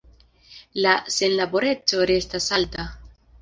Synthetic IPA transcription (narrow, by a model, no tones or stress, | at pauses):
lase̞nlabo̞ɾe̞t͡so̞ɾe̞stasalta